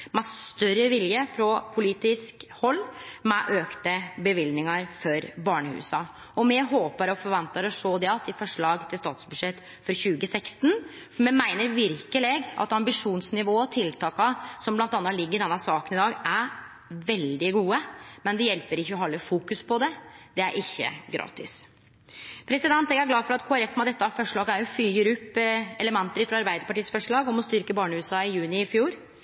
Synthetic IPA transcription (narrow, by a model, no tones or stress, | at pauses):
mæst̪œɾəʋɪljəfɾɔpʰʊliːt̪ɪskhɔlːmɛʔøːkt̪əbəʋɪld̪nɪŋɑɾfɔɾbɑːɳəhʉ̰ːsɑ | ɔmɛɦoːpəɾɔfɔɾʋɑnt̪əɾɔʂoːd̪ɛɑt̪ːɪfɔʂɭɑːɡt̪ʰɪlst̪ɑːt̪sbʉd̪ʂɛt̪ː | fɔɾçʉːɡəsɛkst̪n | mɛmæɪnəɾʋɪɾkəlɪɡʔɑ̰t̪ɑmbɪʂuːnsnɪʋoːɔt̪ʰɪlt̪ʰɑːkɑsɔmblɑnt̪ɑnːɑlɪɡːəɾɪd̪ɛnːɑsɑːkənɪd̪ɑːɡæɾ | ʋɛld̪ɪɡuːəmɛnd̪ɛjɛlpəɾɪçːəɔɦɔlːəfuːkʉspʰɔd̪ɛd̪ɛæ̰ɾʔɪçːə̰ɡɾɑ̰ːt̪ɪs | pʰɾɛsɪd̪ɛnt̪ɛɡæɾɡlɑːfɔɾɑt̪kʰoːæɾɛfmɛd̪ɛt̪ːəɑfɔʂɭɑːɡəæɾjʊfyːəɾʉpːɛləmɛnt̪əɾfɾɑɑɾbæɪd̪əɾpɑʈiːsfɔʂɭɑːɡɔmɔst̪ʏɾkəbɑːɳəʉːsɑɪjʉːnɪɪfjuːɾ